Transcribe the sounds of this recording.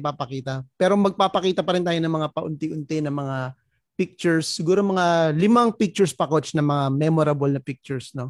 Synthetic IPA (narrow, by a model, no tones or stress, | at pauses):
papɐkiːt̪ɐpɛːɾomɐɡ̚paːpɐkiːt̪ɐpɐɾɪnt̪aːjonɐŋmɐŋapɐʔʊnt̪ɪʔʊnt̪ɛnɐmɐŋa | pɪk̚t͡ʃʊɹsːɪɡuːɾo̞mɐŋalɪmaŋpɪk̚t͡ʃʊɹspɐkot͡ʃnɐmɐŋamɛmoɾɐbolnɐpɪk̚t͡ʃʊɹsno̞